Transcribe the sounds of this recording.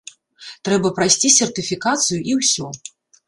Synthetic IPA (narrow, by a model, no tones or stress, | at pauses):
t̪ɾɛbɐpɾajsʲt͡sʲisʲɛrt̪ɨfʲikat̪sɨjuʔiwsʲɔ